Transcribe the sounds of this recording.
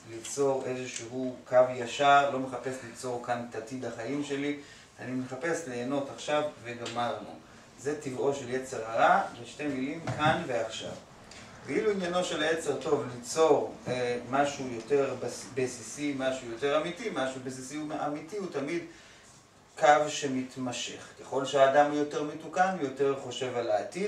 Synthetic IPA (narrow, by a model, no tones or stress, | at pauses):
lit͡so̞ʁe̞zeʃeɦukʰavjaʃaʁlo̞meχape̞slit͡so̞ʁkant̪atidaχaimʃe̞li | animeχape̞sleːno̞taχʃavːe̞ɡamaʁnṵ | zetivʔo̞ʃelje̞t͡se̞ʁhaʁaveʃte̞milimkanve̞aχʃa̰v | keiluinjano̞ʃe̞laje̞t͡se̞ʁto̞vlit͡so̞ʁemaʃujo̞te̞ʁbesisimaʃujo̞te̞ʁamitimaʃubes̬isiumʔamitihutamid | kavʃe̞mitmaʃe̞̰χke̞χo̞lʃeaːdamujo̞te̞ʁmetukanujo̞te̞ʁχo̞ʃe̞valaːti